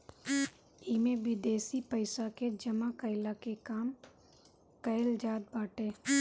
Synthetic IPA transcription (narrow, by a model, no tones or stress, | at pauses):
imẽʋɪd̪eːsipəɪsaked͡ʒɐmakəɪlakekaːm | kɐɪld͡ʒaːd̪̚baːʈeː